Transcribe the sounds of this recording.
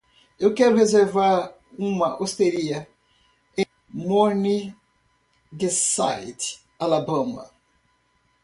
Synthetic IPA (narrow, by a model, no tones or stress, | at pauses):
ewkɛɾʊʁezeɾvaɾ | ũmɐʔost̪eɾiɐ | ẽ | moni | ɡesa̰jt̪ | alabɐ̃mɐ̰